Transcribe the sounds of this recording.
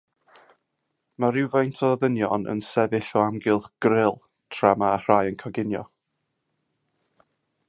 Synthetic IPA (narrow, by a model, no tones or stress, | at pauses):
maɾɪwvajntʰɔðənjɔnə̰nsɛvɪɬɔamɡɪlˠχɡ̥rɪlˠ | tʰramaːr̥ajənkʰɔɡɪnjɔ̰